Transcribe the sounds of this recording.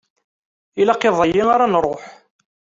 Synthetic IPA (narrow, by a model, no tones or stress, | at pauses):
ilaqeðˤɑjiaɾanɾˤoħ